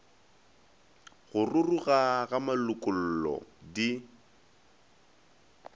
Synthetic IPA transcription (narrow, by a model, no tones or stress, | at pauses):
ɣʊrʊruɣaɣamalʊkʼʊl̩ːlɔ̰di